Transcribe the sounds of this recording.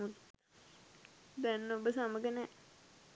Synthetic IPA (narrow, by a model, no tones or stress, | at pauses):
ut̪ | d̪ɛnːəobəsaməɡənɛ